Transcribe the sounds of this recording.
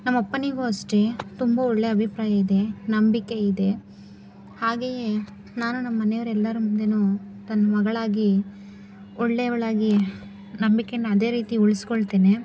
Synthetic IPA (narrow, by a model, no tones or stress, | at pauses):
nɐmːɐpːɐneɡuɐsʈet̪umbɐɔɭːeɐbʱipɾaːjɐid̪e̞nɐmbikeid̪e̞ | haːɡeːje | naːnunɐmːɐːɐnejʋɐɾɛlːɐɾumund̪enu | t̪ɐnːɐmɐɡɐɭaːɡi | ɔɭːeʋɐɭaːɡi | nɐmbikenːɐɐd̪e̞ːɾiːt̪iuɭiskoɭt̪eːne